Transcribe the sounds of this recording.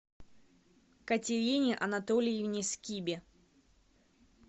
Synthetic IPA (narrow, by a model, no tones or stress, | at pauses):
kɐtʲɪɾʲinʲɪʔɐnɐt̪olʲɪjɪvnʲɪskʲibʲɪ